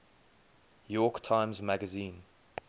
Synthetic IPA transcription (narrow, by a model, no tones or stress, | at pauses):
jɔːˑktʰãɪ̃mzmaɡəzĩːn